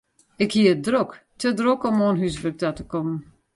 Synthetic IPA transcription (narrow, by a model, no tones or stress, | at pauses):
ɪkhiəədrɔktʰədrokɔmoːnɦysbək̚datəkɔmən